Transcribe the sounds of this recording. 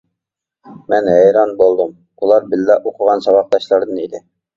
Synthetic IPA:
mɛnhæjɾɑnbolˠd̪ɤm | ulˠɑɾbɪlːæʔoqʰəʁɑnsɑbɑq̚d̪ɑʃlˠɑɾd̪ɤnid̪ɪ

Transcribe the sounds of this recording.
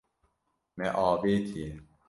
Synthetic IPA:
meʔɔːbit̪ʰi

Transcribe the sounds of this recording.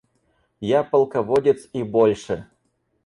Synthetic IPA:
japɐlˠkɐvodʲɪt̪sibolʲʂɨ

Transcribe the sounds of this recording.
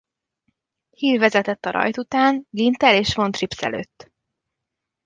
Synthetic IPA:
hiːɾvɛzɛt̪ɛt̪ːɒɾɒ̰jt̪ut̪aːnɡint̪ɛleːʃʋo̞nt̪ripsɛ̰lø̰ːt̪ː

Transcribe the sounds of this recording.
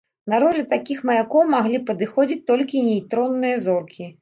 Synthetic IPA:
nɐɾɔlʲɛt̪akʲixmɐjakɔwmaɣlʲipɐd̪ɨxɔd͡zʲit͡sʲt̪ɔlʲkʲinʲejt̪ɾɔnːɨjɐzɔrkʲi

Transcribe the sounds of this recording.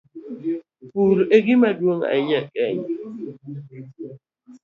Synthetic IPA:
pulɔʔeɡɪmadwoŋa̰ɪɲakʼɛɲa

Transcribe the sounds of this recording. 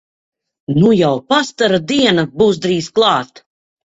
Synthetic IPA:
nujawpast̪aɾad̪iɛnabuːs̬d̪ɾiːsklˠɑːt̪

